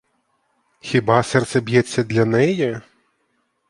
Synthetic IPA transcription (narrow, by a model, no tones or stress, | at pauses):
xʲibasɛrt̪sɛbʲjɛsʲːɐd̪lʲɐnɛjɛ